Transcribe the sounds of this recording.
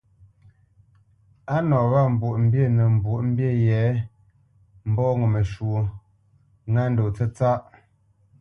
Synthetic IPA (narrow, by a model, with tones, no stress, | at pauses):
a˦nɔ˨ɣa˦˨m̩˨bwu˨ʔm̩˦bje˦˨nə˨m̩˨bwu˨ʔm̩˦bje˦˨jɛ˨˦ | m̩˦bɔ˦ŋə˨mə˨ʃwu˨o˨ | ŋa˦n̩˦do˨t͡sə˦t͡sa˦ʔ